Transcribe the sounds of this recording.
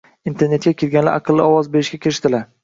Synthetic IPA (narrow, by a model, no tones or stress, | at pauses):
int̪ʰeɾne̞t̪̚kʲakʲʰelɡʲanla̰ɾʔɑqʰɨlˠːɪɒwɒzbe̞ɾɪʃɡʲakʲʰɪɾɪʃt̪ɪlaɾ